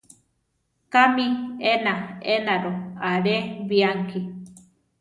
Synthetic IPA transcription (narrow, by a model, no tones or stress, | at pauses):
kamienaenaɾoaɾeβiaŋki